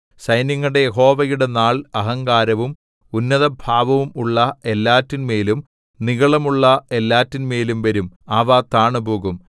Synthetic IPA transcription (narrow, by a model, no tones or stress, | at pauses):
sɐjnjɐŋːɐɽejeɦo̞ːʋɐjuɽe̞naːɭɐɦɐŋɡaːɾɐʋum | unːɐðɐbʱaːʋɐʋumuɭːɐe̞lːaːtːinmeːlum | niɣɐɭɐmuɭːɐe̞lːaːtːinme̞ːlumʋɐɾumaːʋaːt̪aːɳɐbuːɣum